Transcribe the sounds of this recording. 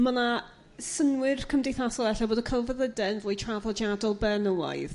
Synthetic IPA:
mana | sənwɪrkʰəmdejθasɔlˠɛɬɔboːdəkʰalˠvəðədɛənvʊːjtʰravɔd͡ʒadɔlˠbɛnəwa̰ɨð

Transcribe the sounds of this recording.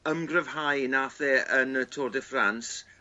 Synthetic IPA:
əmɡrəv̥hajnaθɛʔənətʰoːdəfrans

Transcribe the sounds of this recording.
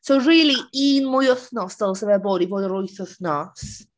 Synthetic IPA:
sowriːlˠiiːnmʊjʊθnɔsd̥əlˠsəvɛbodivoːdəɾʊjθʊθnɔs

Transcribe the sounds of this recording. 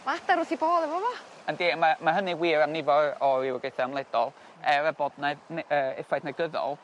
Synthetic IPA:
maataɾʊθiboːdɛvɔvɔ | andiːmamaɦəniwiːɾanɪvɔrɔɪwɡejθaamlˠɛd̥ɔlˠ | ɛɾəbɔdnaðnəːɪfajdnaɡəðɔ̰lˠ

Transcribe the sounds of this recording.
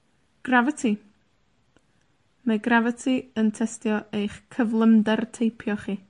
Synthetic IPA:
ɡ̥ravətʰi | maɡravətʰiəntʰɛstjɔejχkʰəvlˠəmdɛrtʰejpʰjɔχiː

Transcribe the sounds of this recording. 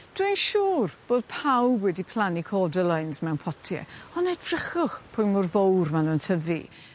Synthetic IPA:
d̥ʊjnʃuːrb̥oːd̥̚pʰawbwɛdipʰlˠanikʰɔdəlˠajnsmɛwnpʰɔtʰjɛ̰ɔnɛdrɪχʊχpʰʊjnmʊrvowrmanuntʰəvḭ

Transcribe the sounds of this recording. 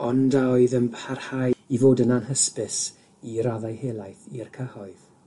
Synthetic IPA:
ɔndaɔɨðənpʰarhajivoːdənanɦəspɪs | iɾaðajhelˠajθirkʰəhɔɨð

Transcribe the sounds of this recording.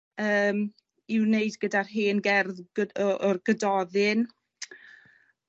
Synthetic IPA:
əːm | ɪwneɨdɡədarɦeːnɡɛrð̥əɔrɡədɔðɨn

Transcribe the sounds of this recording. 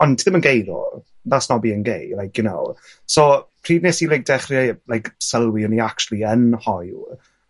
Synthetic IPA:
ɔntʰɪðəmənɡejɾɔ̰ | nasnɔbiːənɡḛjlajkʰjʊno̰w | sopʰriːdneːsilɪɡ̚dɛχrjalˠajksəlˠwiʊniak̚t͡ʃʰlˠiənhɔjl

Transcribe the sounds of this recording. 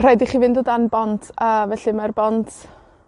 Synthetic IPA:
r̥ɛdiχivɪndoːdanbɔntʰəːvɛɬɨmarbɔntʰ

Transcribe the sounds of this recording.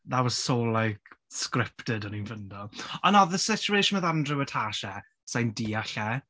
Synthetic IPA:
ðawəzsoːlˠaɡskrɪptɪdəninvəndɔlˠɔnɔðəsɪt͡ʃuejʃʊnməðandrɪwətʰaʃɛ | sajndiːaɬɛ

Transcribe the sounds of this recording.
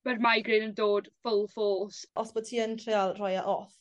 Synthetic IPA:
m̥ərmajɡrɪnəndoːd̥fʊlˠfoːsɔsb̥oːd̥̚tʰiːəntʰr̥ɪalˠrɔjaʔɔθ

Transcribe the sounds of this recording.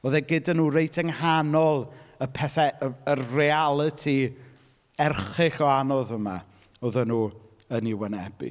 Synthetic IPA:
ɔðɛɡɪdanuːrejtʰɛŋhanɔlˠəpʰɛθɛərealˠətʰi | ɛrχɪɬɔanɔðəma̰ | oðənuː | əniwɛnɛbḭ

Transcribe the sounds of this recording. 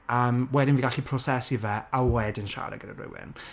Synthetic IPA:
əːmwɛdɪnviɡaɬipʰrɔsɛsivɛawɛdɪnʃa̰ɾə̰ɡəɾərɪ̰wɪ̰n

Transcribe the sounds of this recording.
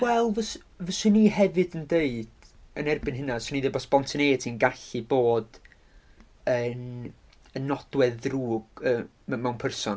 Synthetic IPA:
wɛlˠvəs | vəsɪniɦɛvɨdəndeɨd̥ənɛrbɨnɦɪnasɨniðɪbɔsbɔntʰəneːtʰinɡaɬɨboːd̥ | ən | ənɔd̥wɛðruːɡ̥ə | mɛmɛwnpʰərsɔn

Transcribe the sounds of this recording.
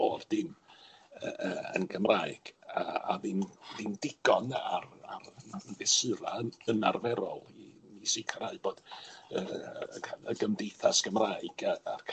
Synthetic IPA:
ord̥ɪm | əəːə̰nkʰəmraːɨɡ̥aaðɪmðɪmdɪɡ̥ɔnararvɛsɨɾaənarvɛɾɔ̰lˠimisikʰarɾaɨb̥oːd̥əːaəɡəmdejθasɡ̥əmraːɨɡaarkʰ

